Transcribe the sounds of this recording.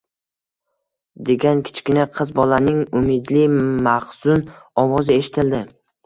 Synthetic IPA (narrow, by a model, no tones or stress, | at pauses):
d̪e̞ɡʲankʲʰɪ̥t͡ʃʰkʲɪnaqʰɨzbɒlanɪŋʊmɪd̪lɪmaχsʊnɒwɒzɪe̞ʃɪ̥t̪ʰɪld̪ɪ